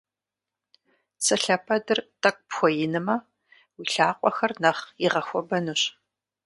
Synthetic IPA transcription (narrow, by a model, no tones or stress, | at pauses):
sɐɬɐpʰɐdɨrtʰʼɐk̚ʷʼpxʷɔjɪnɨmɐ | wiɬaːqʷʼɔxɐrnɐχiʁɐxʷɔbɐnuɕ